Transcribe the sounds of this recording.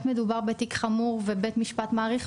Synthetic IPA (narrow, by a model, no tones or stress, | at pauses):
t̪med̪ubaʁbet̪ikχamuʁvebet̪miʃpat̪maːʁiχ